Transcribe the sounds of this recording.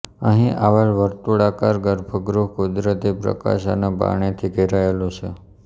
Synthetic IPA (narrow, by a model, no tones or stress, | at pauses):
əɦĩʔaʋalʋəɾt̪uɽakaɾɡəɾbʱəɡɾuɦkud̪ɾət̪ipɾə̰ka̰ʃa̰naba̰ɳ̃et̪ʰiɡeɾaelot͡ʃʰe